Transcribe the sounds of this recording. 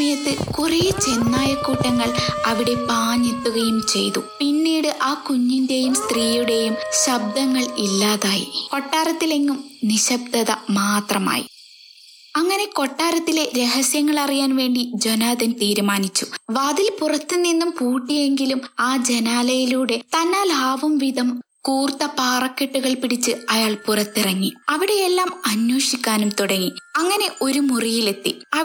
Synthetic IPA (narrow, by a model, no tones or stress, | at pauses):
mɐjɐt̪ːɨkureːt͡ɕe̞nːaːjɐkːuːʈːɐŋːɐɭɐʋiɽe̞paːɲet̪ːuɣɐjumt͡ɕe̞jt̪upinːiːɽɨʔaːkuɲːinde̞jumst̪riːjuɽe̞jumɕɐb̚d̪ʱɐŋːɐɭilːaːðaːjḭko̞ʈːaːɾɐt̪ːile̞ŋːumniɕɐb̚d̪ɐðɐmaːt̪rɐma̰ːjḭ | ɐŋːɐne̞ko̞ʈːaːɾɐt̪ːile̞ɾe̞ɦɐsjɐŋːɐɭɐrijaːnʋe̞ːɳɖid͡ʑonaːðɐnt̪iːɾumaːnit͡ɕːuʋɐðilpurɐt̪ːɨninːumpuːʈːije̞ŋɡilumaːd͡ʑe̞naːlɐjiluːɽe̞t̪ɐnːaːlaːʋɐmʋiðɐm | kuːrt̪ːɐpaːrɐkːeʈːuɣɐɭpiɽit͡ɕːɨɐjaːɭpurɐt̪ːirɐŋːiɐʋiɽe̞jelːaːmɐnjo̞ːʂikʲːaːnumt̪uɽɐŋːiɐŋːɐne̞ʔo̞ɾumurijile̞t̪ːḭɐ